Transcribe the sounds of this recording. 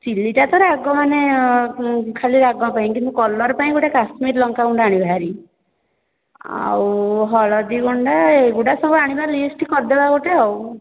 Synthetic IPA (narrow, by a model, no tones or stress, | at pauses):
t͡ʃiliʈat̪ɔɾaɡɔmane | kʰaliɾaɡɔpaĩkint̪ukɔlɔɾpaĩɡuʈakasmiɾlɔŋkauɳɖaɽ̃ibʱaɾi | a̰wɦɔɭɔd̪iɡɔɳɖaeɡuʈasɔbɔaɽ̃ibaɾlisʈikɔɾd̪ebakoʈeaw